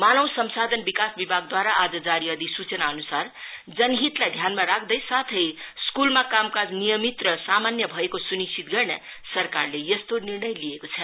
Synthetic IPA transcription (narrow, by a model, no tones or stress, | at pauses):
manʌw̃sʌmsad̪ʱʌnbikasbibʱaɡ̚d̪waɾaʔad͡zʌd͡zaɾiʌd̪isut͡sʌnaʌnusard͡zʌnɡʱit̪lajd̪ʱjanmaɾakʰd̪ʌjsat̪ʰʌjskulmakamkad͡znijʌmit̪rʌsamanjʌbʱʌekosunist͡ʃʰit̪ɡʌrnʌ̰ | sʌrkarlejʌst̪onirnʌjliekot͡sʰʌ